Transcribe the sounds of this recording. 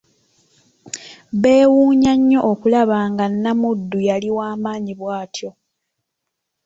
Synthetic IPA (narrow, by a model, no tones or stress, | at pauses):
βe̞ːwuːɲaɲːo̞ʔokulaβaːŋɡanːamudːujaliwaːmaːɲiβwaːtʰjo̞